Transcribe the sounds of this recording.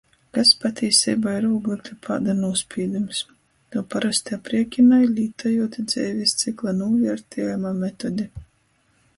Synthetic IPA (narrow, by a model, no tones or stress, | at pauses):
kaspat̪ʲiɛsʲḭːbaːiɾuːɡlˠit̪lʲipʰa̰ːd̪anuɔspʲiɛd̪ʲums | t̪uːpaɾast̪ʲiapɾiɛkʲinajlʲiːt̪ajuɔt̪ʲid̪zɛːvʲist̪siklˠanuːvʲɛɾt̪ʲʰiːjamaːmɛt̪ɔd̪ʲi